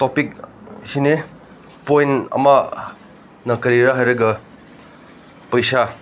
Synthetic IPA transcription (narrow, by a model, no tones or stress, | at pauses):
topik̚ | sine | pojnɐ̰mɐ | nɐkɐɾiɾaɦajɾɐɡɐ | pɐjsa